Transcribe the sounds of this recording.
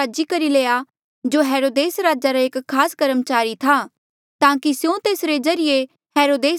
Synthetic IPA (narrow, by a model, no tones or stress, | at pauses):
aːd͡ʒikɐɾileːa | d͡ʒoːɦɛːɾoːd̪eːsɾaːd͡ʒaɾaekʰːaːskɐɾəmt͡ʃaːɾit̪ʰaː | t̪ãːkisjõt̪eːsɾezɐɾije | hɛːɾoːd̪eː